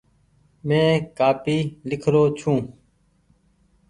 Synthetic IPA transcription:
mẽːkaːpiːlɪkʰɾoːt͡ʃʰũː

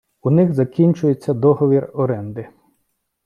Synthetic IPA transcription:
unɪɣzɐkʲinʲt͡ʃʊjet͡sʲːɐd̪ɔɦɔʋʲirɔɾɛnd̪ɪ

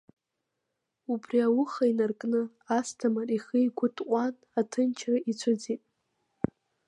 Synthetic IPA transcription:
ubriawʊχainarkʼnɨ | astʰamariχijɡʷʊtʰʼqʷʼan | atʰɨnt͡ʃʰraʔit͡sʷʰad͡zitʼ

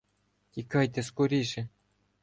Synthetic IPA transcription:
t̪ʲikɑjt̪ʲɘ̆skuɾʲiʐɘ̆

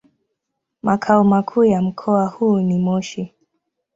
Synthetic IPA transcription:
mʔakʰaumakʰuːjam̩kʰɔahuːnimɔʃi

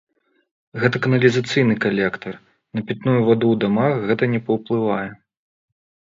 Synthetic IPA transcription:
ɣɛt̪ɐkɐnɐlʲizat̪sɨjnɨkalʲɛkt̪ɐr | nɐpʲɛt̪nujuvad̪ud̪amaxɣɛt̪ɐnʲɛpɐwplˠɨvajɛ

